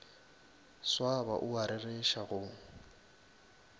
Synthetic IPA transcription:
swaba̰ʔʊaɾɪreʃaɣʊŋ

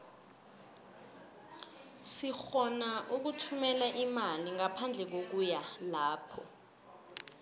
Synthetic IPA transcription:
sixɔnaʔuk̬utʰumɛlɛʔimaliŋapʰand͡ɮʱɛk̬ok̬ujalaːpʰɔ̰

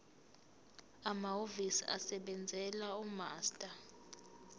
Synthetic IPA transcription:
amaovisḭa̰sɛɓɛnd͡zʱɛlaumaːstʼa

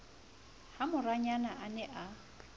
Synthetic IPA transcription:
hamʊraɲanaʔanɛʔa

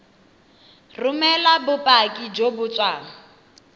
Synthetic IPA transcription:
rʊmɛlabʊpʼakʼid͡ʒobʊt͡sʼwaːŋ̩

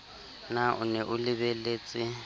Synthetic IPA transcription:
naʔʊ̰nɛʔʊlɪβeleːt͡sʼɪ

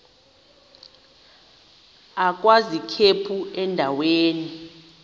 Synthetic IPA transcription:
ak̬ʼwazikʰepʰuɛndʱaweːni

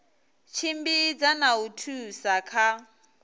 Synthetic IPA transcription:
t͡ʃʰimbid͡zanautʰusakʰa

